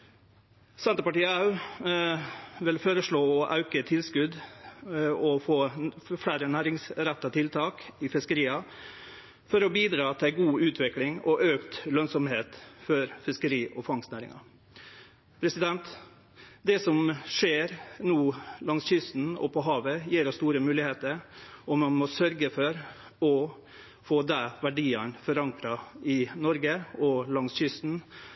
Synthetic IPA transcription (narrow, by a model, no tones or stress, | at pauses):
sɛnt̪əpɑʈiːɑʉ | ʋɪlføːɾəʂɭoːɔʔɑʉkət̪ʰɪlskʉd̪ | ɔfoːfɽæːɾənæːɾɪŋsɾɛt̪ːɑt̪ʰɪlt̪ʰɑːkɪfɪskəɾiːɑ | fɔɾɔbiːd̪ɾɑːt̪ʰɪɡuːʉːt̪ʰʋɪklɪŋɔʔøːkt̪lœnsɔmheːt̪fɔɾfɪskəɾiːʔɔfɑŋsnæːɾɪ̰ŋɑ̰ | pʰɾɛsɪd̪ɛnt̪ | d̪ɛsɔmʂeːɾnuːlɑŋsçʏst̪n̩ɔ̰pʰɔɦɑːʋəjiːɾɔst̪uːɾəmʉːlɪheːt̪əɾɔmɑnmɔsœɾɡəfɔɾ | ɔ | foːd̪ɛʋæɖiːɑnfɔɾɑŋkɾɑɪnɔɾɡəɔlɑŋsçʏst̪n̩